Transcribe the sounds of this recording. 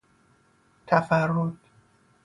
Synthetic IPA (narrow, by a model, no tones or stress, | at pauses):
t̪ʰæfærːod̪̥